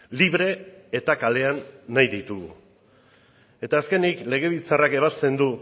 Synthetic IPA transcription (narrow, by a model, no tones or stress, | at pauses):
liβɾe̞ːt̪akale̞anːajðit̪uɣṵ | e̞t̪aːske̞nikle̞ɣe̞βilt͡sarake̞β̞ast̪e̞nd̪u